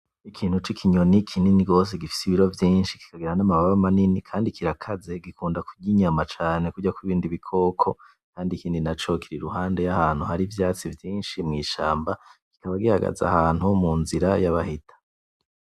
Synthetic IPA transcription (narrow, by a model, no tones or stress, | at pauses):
ikʰiːn̥hut͡ʃikʰiɲo̞nikʰininiɡo̞ːs̬e̞ɡifi̥siβiɾo̞vjiːnʃiki̥kaɡiɾanamaβaβamaninikʰaːndikʰiɾakʰaze̞ɡikuːndakuɟiɲamat͡ʃaːne̞kuɟakwiβiːndiβikʰo̞ːkʰo̞ | kʰaːndikiːndinat͡ʃo̞kiɾeɾuɦaːnde̞jahaːn̥huhaɾivjaːt͡sivjiːnʃimŋiːʃaːmbaki̥kaβaɡihaɡa̰za̰haːn̥humuːnziɾajaβahitʰḁ